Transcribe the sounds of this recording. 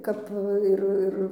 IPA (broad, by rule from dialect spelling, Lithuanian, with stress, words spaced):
ˈkɐp ˈɪr ˈɪr